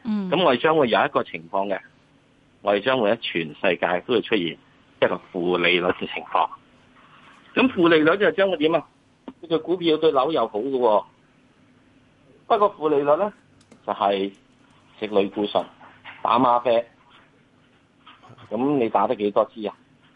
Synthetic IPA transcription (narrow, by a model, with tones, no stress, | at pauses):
kɐ˨˥mŋɔː˨˧ɾe˨˩t͡ʃœː˥ŋwuː˨˧jɐ˨˧wjɐ˥t̚kɔː˧t͡sʰɪ˨˩ŋfɔː˧ŋkɛ˧ | ŋɔː˨˥ɾt͡ʃœː˥ŋwuː˨˧jɐ˥t͡ʃʰyː˨˩nsɐ̰˧jka̰ː˧jt̪o˥whi˨˧wt͡ʃʰɵ˥t̚jiː˨˩n | jɐ˥t̚kɔː˧fuː˨˩le˨˧jlɵ˨t̚kɛ˧t͡sʰɪ˨˩ŋfɔ̰ː˧ŋ | kɐ˨˥mfuː˨˧le˨˧jlɵ˨k̚tɐ˥ht͡ʃːŋwuː˧t̪iː˨˥ma˧ | kʰɵ˨˧˥kʰɵ˨˧ɥkuː˨˥pʰiː˧wt̪ɵ˧ɥlɐ˨˥wjɐ˨˧who˨˥wkə˧wɔː˧ | pɐ˥t̚kʷɔː˧fuː˨le˨jlɵ˨t̚lɛ˥ | t͡sɐ˨whɐ˨j | sɪ˨k̚lɵ˨˧ɥkuː˧sɵ̰˨˩ŋt̪a̰ː˨˥maː˧fɛː˧k̚ | kɐ˨˥mne˨˧jt̪aː˨˥t̪ɐ˥kːe˨˥jt̪ɔː˥t͡siː˥a˨